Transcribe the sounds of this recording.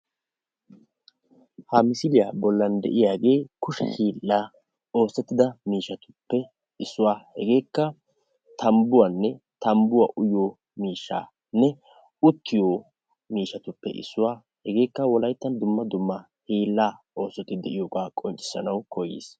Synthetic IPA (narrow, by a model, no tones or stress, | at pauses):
hamɪsɪlɪjaːbɔlːɐnd̪ɛ̰ʔɪjaːɡe̞ːkʊʃɛ̰hiːlːaː | o̞ːsːɛt̪ːɪd̪ɐmiːʃːɐt̪ʊ̥pːɛ | ɪsːʊwaːhɛɡe̞ːkːɐ | t̪ʰɐmbʊwanːɛ | t̪ɐmbʊwaʔʊjoː | miːʃːa̰ː | nːɛ | ʊt̪ːɪjoː | miːʃːɐt̪ʊpːɛ̰ʔɪ̰sːʊwaː | hɛɡe̞ːkːɐwɔlɐjt̪ːɐnd̪ʊmːɐd̪ʊmːɐ | hiːlːaː | o̞ːsːɔt̪ɪd̪ɛʔɪjoːkaːkʼɔnt͡ʃʼːɪ̥sːɐnɐwkɔjːḛːs